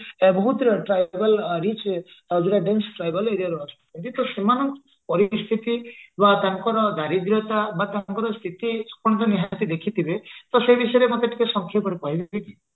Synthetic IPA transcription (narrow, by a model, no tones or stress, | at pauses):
bɔɦut̪ɾɔʈɾajbalɾit͡ʃd͡ʒeɾaɖensʈɾajbɔleɾiaɾuɦɔt͡ʃʰu̥kʰɔnt̪it̪ɔsemanɔk | pɔɾist̪ʰit̪ibat̪aŋkɔɾɔd̪aɾid̪ɾjɔt̪abat̪aŋkɔɾɔst̪ʰit̪iskɔɽ̃ɔt̪ɔniɦat̪id̪ekʰit̪ʰibet̪ɔsebisɔjɔɾemɔt̪eʈʰikesɔŋkʰjapɔɽikɔɦibeki